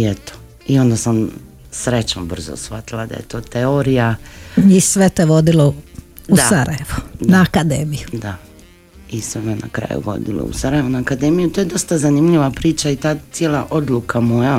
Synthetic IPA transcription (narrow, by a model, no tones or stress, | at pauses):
iet̪o̥ | io̞nd̪asam | sɾe̞t͡ʃnobr̩zo̰sfat̪ilˠad̪a̰jḛt̪o̞ːt̪eoɾijaisʋet̪oʋod̪ilo | usaɾajeʋonaakad̪ḛːmijud̪a | isʋemena̰kɾa̰jṵʋo̞̰d̪ḭlo̰ṵsaɾajeʋonaːkad̪e̞mijut̪ojed̪o̞st̪azanimʎiʋapɾiːt͡ʃait̪aːt̪sjelˠaʔo̞d̪lukʰamoja